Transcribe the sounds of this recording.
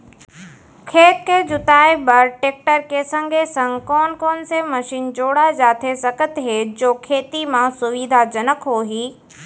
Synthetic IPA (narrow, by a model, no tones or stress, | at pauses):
kʰeːkked͡ʑʊt̪aːebɐɾʈeːk̚ʈəɾkesɐ̃ŋɡʱesɐ̃ŋkɔːnkɔːnsemɐʃiːnd͡ʑoːɽad͡ʑaːt̪ʰesɐkət̪ɦeːd͡ʑoːkʰeːt̪imãsʊʋid̪ʱad͡ʑɐnəkɦoːɦiː